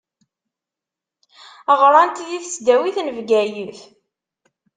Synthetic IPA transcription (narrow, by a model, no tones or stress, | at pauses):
əʁɾˤɑnt̪jiθsd̪æwiθnəvɡæjiθ